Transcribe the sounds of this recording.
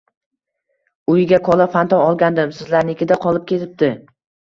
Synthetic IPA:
ʊjɪɡʲakʰɒlˠafant̪ɒɒlˠɡʲand̪ɪmsɪzlaɾnɪɪkʲɪd̪aqʰɒlˠɪp̚kʲʰe̞t̪ʰɪp̚t̪ɪ

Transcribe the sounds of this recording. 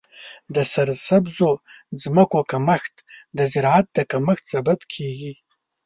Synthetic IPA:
dasɐrzsɐbzod͡zmɐkʷʼakʰʼamɐxʲtʰʼdazirʕat̚ʼdakʰʼamɐxʲtʰz̥abɐpʰkʲʰiɡʲi

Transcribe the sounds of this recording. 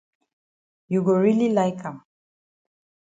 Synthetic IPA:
juɡoɹililaɪkãm

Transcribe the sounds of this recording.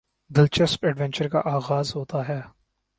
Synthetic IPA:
d̪ɪlt͡ʃəspɛɖʋɛ̃nt͡ʃəɾka̰ʔaːɣaːzɦoːt̪aɦɛː

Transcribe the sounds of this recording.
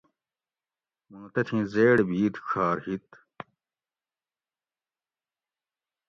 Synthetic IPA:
mũnt̪ɐt̪ʰĩːzeːɽbiːt̪ɕʰaːɾhit̪

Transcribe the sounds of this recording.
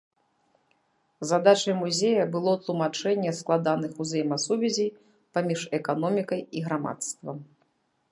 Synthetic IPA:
zad̪at͡ʂɐjmuzʲejɐbɨlˠɔt̪lˠumat͡ʂɛnʲːɛsklˠad̪anɨxuzʲɛjmɐsuvʲɛzʲij | pamʲiʂɛkanɔmʲikɐjiɣɾama̰t̪st̪vɐm

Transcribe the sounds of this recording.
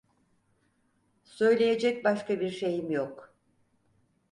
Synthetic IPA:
sø̞jlʲe̞je̞d͡ʒɛc̚baʃkabiɾʃe̞jimjok

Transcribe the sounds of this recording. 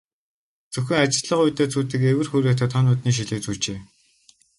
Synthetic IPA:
t͡sɵxʲɘ̆ŋat͡ɕɪ̆ɮɮə̆qʊjt̪eːt͡sʰuːt̪ɘ̆kewɘ̆rxuɾeːt̪ʰə̆t̪ʰɔnʊːt̪niːʃ̬iɮɘ̆ːk̚t͡suːɮt͡ɕeː

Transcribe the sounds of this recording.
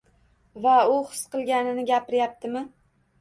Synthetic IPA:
vaʊχɨ̥sqɨlˠɡʲanɪnɪɡʲapɪɾjap̚t̪ʰɪmɪ

